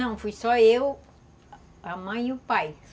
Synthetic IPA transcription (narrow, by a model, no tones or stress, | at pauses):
ɐ̃w̃fujsɔew | ɐmɐ̃j̃iʊpaj